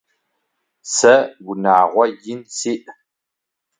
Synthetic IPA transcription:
sɐɡʷʊnaːʁʷɔjɪnsiːʔ

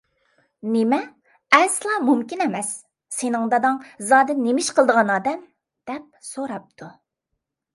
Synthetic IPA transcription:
nemɛ | ɛslˠɑmumkʲinɛmɛsː | enɨŋd̪ɑd̪ɑŋzɑːd̪ɪnːemɪʃqʰəlˠd̪əʁɑnɑːd̪ɛm | d̪̥ɛp̚soɾɑp̚t̪ʰu

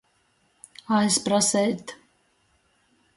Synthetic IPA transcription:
ajspɾasɛjt̪

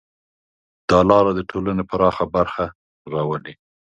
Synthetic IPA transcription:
d̪̥ɑlɑɾad̪əʈʰolanepaɾɑxabaɾxa | ɾɑwəli

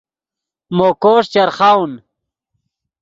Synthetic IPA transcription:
mokoːʂt͡ɕɐɾχawn

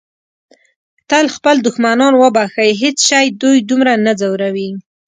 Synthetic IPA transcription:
t̪əlxpəld̪ʊxmanɑnwəbaxajɦet͡sʃajd̪ujd̪umɾanad͡zawɾawi

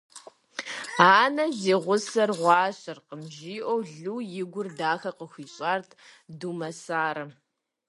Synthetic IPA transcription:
aːnɐzeːʁʷʊsɐrʁʷɑːɕʼɪrqəmʒiːʔʷowɮuːjɪɡʷʊrdaːxɐqəxʷiːɕʼaːrtʰ | dumɐsaːɾɐ

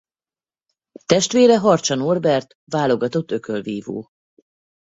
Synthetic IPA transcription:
t̪ɛʃt̪ʋeːɾɛɦɒrt͡ʃɒnorbɛrt̪ | vaːlo̞ɡɒt̪o̞t̪ːø̞kølviːvo̰ː

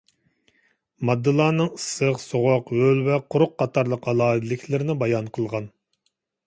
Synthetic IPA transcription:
mɑd̪ːɨlˠɑːnɨŋisəqsoʁoqølvɛqʰʊɾʊqːɑt̪ʰɑɾlˠəqɑlˠɑːɨd̪ɪlɪkʲʰlɪɾɪnɪbɑjɑnqʰəlˠʁɑn

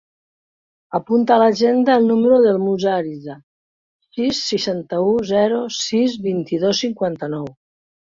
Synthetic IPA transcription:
apunt̪aːlaʒend̪aːlˠnuməɾuðəlˠmuzaɾiza | sisːiʃant̪əuzɛɾusizβint̪iðosːiŋkwant̪ənɔw

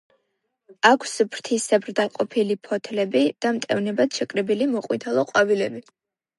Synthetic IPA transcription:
akʰsbʰɾt̪ʰisɛbɾd̪aqʼɔpʰilipʰɔt̪ʰlɛbid̪̥amt̪ʼɛvnɛbat̪ʃɛkʼɾɛbilimɔqʼwit̪ʰalˠɔqʼwavilɛbi

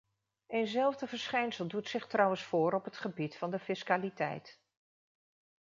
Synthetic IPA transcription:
ejnzɛlˠvdəvəɹsχɛjnsəlˠdutsɪχtrɑwənsfʊːɾɔpɦətχəbitfɑndəfɪskaːlitɛ̰jt

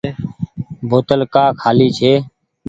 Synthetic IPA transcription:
bʱoːt̪əlkaːkʰaːliːt͡ʃʰeː

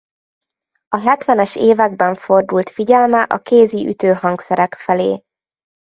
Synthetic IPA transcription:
ɒɦɛt̪ʋɛnɛʃeːvɛɡ̚bɛɱfo̞rd̪ult̪fiɟɛlmɛʔɒkeːziʔy̰t̪øːɦɒŋksɛɾɛkfɛleː

